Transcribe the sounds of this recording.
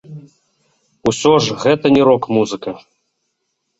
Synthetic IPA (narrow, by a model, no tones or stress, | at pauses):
usʲɔʐɣɛt̪ɐnʲiɾɔkmuzɨkɐ